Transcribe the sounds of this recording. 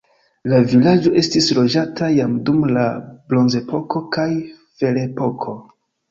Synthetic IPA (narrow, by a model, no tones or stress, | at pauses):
lavilad͡ʒo̞ʔe̞stislo̞d͡ʒatʰajamdumlablo̞nze̞po̞ko̞kaj | fe̞le̞po̞kʰo